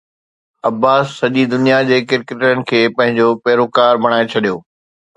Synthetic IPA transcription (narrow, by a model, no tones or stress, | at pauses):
ɐbːaːsːɐʄid̪ʊnijad͡ʑeːkɪɾkeʈənɪ̆kʰeːpɐ̃ɦɪ̃ɲd͡ʑopɛːɾokaːɾbɐɽ̃aːet͡ɕʰɐɗijoː